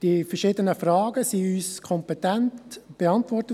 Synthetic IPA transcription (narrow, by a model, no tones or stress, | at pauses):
d̥ifəʃiːdənəfrɑːɡəsiyːskʰɔmpetɛntb̥eɑntʋɔrtə